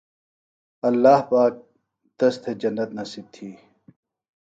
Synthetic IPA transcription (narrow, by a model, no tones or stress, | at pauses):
ɐlːaːhpaːk̚ | t̪ɐst̪ʰed͡ʑɐnːɐt̪nɐsib̚t̪ʰiː